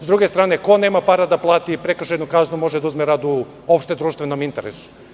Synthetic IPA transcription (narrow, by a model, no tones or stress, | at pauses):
zd̪ɾuɡest̪ɾaːne̞ko̞neːmapaɾad̪aplˠaːt̪ipɾekɾ̩rʃeed̪nukaznumo̞ʒed̪auzmeɾaːd̪u | o̞pʃt̪ed̪ɾuːʃt̪ʋeno̞mint̪eɾḛsu̥